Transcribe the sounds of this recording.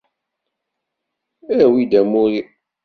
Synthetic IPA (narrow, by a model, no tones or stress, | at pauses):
æwid̪æmuɾi